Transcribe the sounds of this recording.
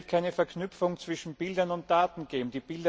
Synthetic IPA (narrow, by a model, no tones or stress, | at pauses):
tkʰaɪnəfɛɐkʰnʏpfʊŋt͡sv̥ɪʃn̩b̥ɪldɐnʊnt̚d̥aːtn̩ɡ̥eːbm̩d̪iːb̥ɪldɐ